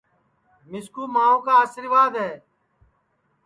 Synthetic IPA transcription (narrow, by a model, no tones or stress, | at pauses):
mɪskuːmaːõːkaːəsɪɾʋaːd̪ɦɛː